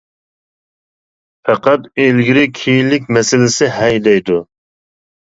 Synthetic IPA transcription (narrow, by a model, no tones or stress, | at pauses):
fɛqɑt̪elɡʲiɾɪkʲʰijilːɪk̚ʲmɛsɪlɪsɪhɛjd̪ɛjd̪u